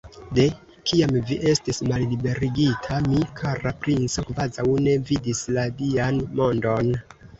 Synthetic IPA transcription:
de̞ | kiamviʔe̞stismalːibe̞ɾiɡitʰamikʰaɾapɾinso̞kvazawne̞vidisladianmo̞ndo̞n

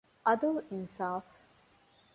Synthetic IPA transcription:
ʔɐd̪ɐlinsaːf

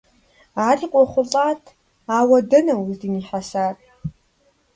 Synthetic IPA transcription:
aːriːqʷʼɔχʷʊɬʼaːtʰ | aːwɐdɨnɐwzdiniːħasaːr

